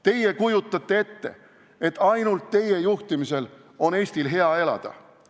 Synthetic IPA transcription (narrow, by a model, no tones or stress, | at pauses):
t̪e̞je̞kujut̪ˑːɑt̪ːee̞t̪ːe̞̰ | e̞t̪ːˑɑjnult̪ːe̞je̞juht̪imise̞l | o̞ne̞ːsʲt̪ilɦe̞ɑe̞lɑ̰d̪̥ɑ̰